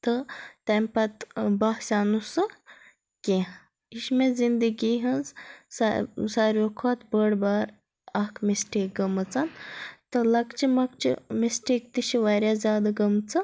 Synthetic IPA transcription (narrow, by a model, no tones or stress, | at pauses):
t̪ɨt̪ɐmpɐt̪bɐhsʲanusɨ | kʲe | iʃmezind̪əɡiːɦɐnzssaɾʲokʰaːt̪bəɽbaːɾ | ɐhkmisʈik̚ɡəmɨt͡sɐnt̪ɨlɐkt͡ʃʰimɐkt͡ʃʰḭmisʈiːkt̪iʃiʋaɾʲjazʲjaːd̪aɡɐmt͡sʰɨ